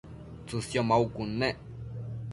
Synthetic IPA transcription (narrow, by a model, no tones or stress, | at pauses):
t͡suθjomaukunːeʔ